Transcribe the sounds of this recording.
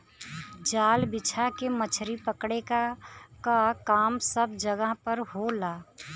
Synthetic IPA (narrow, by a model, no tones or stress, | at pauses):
d͡ʒaːlbɪt͡ʃʰakemət͡ʃʰɾipəkɽekakakaːmsəb̚d͡ʒəɡəɦpəɾɦolaː